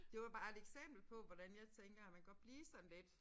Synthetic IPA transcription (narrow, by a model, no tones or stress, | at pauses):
d̥e̝ʋɑ̈b̥ɑ̈ːe̝d̥eɡ̥sem̰b̥l̩pʰɒ̽ʋɒɾ̥ænjɑ̈ɪt͡sʰeŋɡ̥ɐæmænɡ̥ɒ̥̽b̥liːsɒ̽nled̥